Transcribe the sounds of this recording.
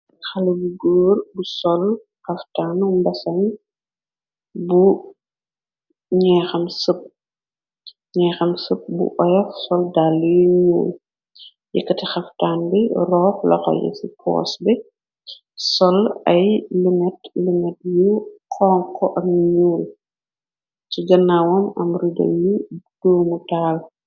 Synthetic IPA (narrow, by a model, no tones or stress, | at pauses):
xɐlɐbuɡoːrbusɔl | xɐftaːnumbɐsɐn | bu | ɲɛːxɐmsəp̚ | ɲɛːxɐmsəp̚bṵʔɔjɐfsɔldalːujuɲṵːl | jɛkːɐtixɐftaːnbirɔːxlɐ̰xɔ̰jɛ̰sipʰɔ̰ːsbɛ | sɔlɐjluŋɛtluŋɛt̚juqʰɔːŋkɔʔɐmɲuːl | ciɡɐnːawɔmɐmridɐ̰jud̥oːmutaːl